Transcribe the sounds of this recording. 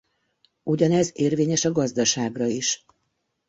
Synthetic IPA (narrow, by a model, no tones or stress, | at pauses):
uɟɒnɛzeːrveːɲɛʃɒɡɒzd̪ɒʃaːɡrɒiʃ